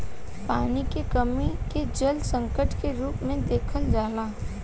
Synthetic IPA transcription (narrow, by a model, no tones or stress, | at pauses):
paːnikekɐmiked͡ʒɐlsɐ̃ŋkəʈkeɾuːpmẽd̪eːkʰəld͡ʒaːlaː